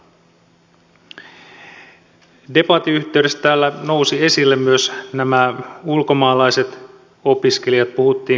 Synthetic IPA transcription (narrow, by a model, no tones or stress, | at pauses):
de̞pɑt̪iyçt̪e̞yɥde̞st̪t̪æːlːæno̞wsie̞silːemmyøsnæmæulko̞mɑːlɑjset̪ | o̞piske̞lijɑt̪̚puhut̪ːiː